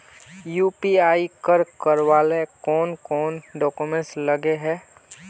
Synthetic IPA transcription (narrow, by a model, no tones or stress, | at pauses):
juːpiaːikəɾkəɾwaːlekɔːnkɔːnɖɔːkumẽnsləɡeɦɛː